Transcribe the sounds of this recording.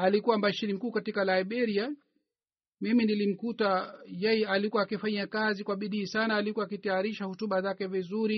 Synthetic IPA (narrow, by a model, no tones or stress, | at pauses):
alikuwambaʃiɾim̩kuːkatikalaiɓɛɾia | miminilim̩kutajɛjalikuwaːkifaɲakazikwaɓiɗiːsanaːlikuwaːkitajaɾiʃahɔtuɓazakɛvizuɾi